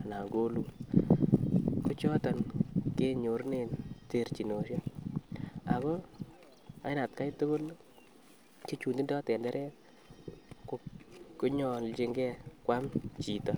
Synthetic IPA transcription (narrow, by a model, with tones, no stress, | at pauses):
a˨na˨ɡo˦lu˨ | ku˦t͡ʃɔ˦ta˨nke˦ɲo˨˦ɾne˨nte˨ɾt͡ʃi˨no˨ʃja˦ | a̰˨kɔ˦ | a̰˦jna˨tka˦jto˦ɡo˦l | t͡ʃe˦t͡ʃu˨ndi˦ndɔ˦tɛ˨ndɛ˦ɾʔɛ˦ | ko˦ku˦ɲɔ˨lt͡ʃi˦ŋɡɛ˦kwa˦mt͡ʃi˨tɔ˦